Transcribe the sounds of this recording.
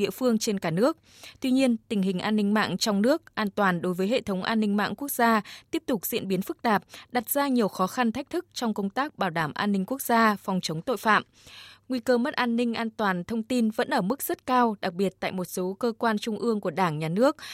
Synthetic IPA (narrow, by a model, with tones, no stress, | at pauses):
ḭ˧˨əfɨ˧əŋt͡ɕe˧nkaː˧˩nɨ˦˥ək̚ | t̪wi˧ɲi˧ənt̪ï˨˩ŋ̟ɦï˨˩ŋ̟ʔaː˧nːï˧ŋ̟ma̰ː˧˨ŋt͡ɕɔ˧wŋ͡mnɨ˦˥ək̚ʔaː˧nt̪waː˨˩nɗo˨˦jvəː˨˦jɦḛ˧˨t̪ʰə˨˦wŋ͡mʔa̰ː˧nːï˧ŋma̰ː˧˨ŋku˦˥ək̚z̥aː˧t̪i˦˥əp̚t̪ʊ˨˩k͡p̚zḭ˧ənɓi˨˦ənfɨ˦˥k̚t̪aː˨˩p̚ɗa˨˩t̚z̥aː˧ɲi˨˩əwxɔ˨˦xa˧nt̪ʰa˦˥jk̟̚t̪ʰɨ˦˥k̚t͡ɕɔ˧wŋ͡mkə˧wŋ͡mt̪aː˦˥k̚ɓaː˧˩wɗaː˧˩mʔaː˧nːï˧ŋ̟ku˦˥ək̚z̥aː˧fɔ˨˩wŋ͡mt͡ɕə˨˦wŋ͡mt̪o̰˧˨jfa̰ː˧˨m | ŋwi˧kəː˧mə˦˥t̚ʔaː˧nːï˧ŋ̟ʔaː˧nt̪waː˨˩nt̪ʰə˧wŋ͡mt̪i˧nvə̰˧˥nʔəː˧˩mɨ˦˥k̚z̥ə˦˥t̚kaː˧wɗa˨˩k̚ɓi˨˩ət̚t̪a̰ː˧˨jmo˨˩t̚so˨˦kəː˧kwaː˧nt͡ɕʊ˧ŋ͡mʔɨ˧əŋku˧˩əɗaː˧˩ŋɲaː˨˩nɨ˦˥ək̚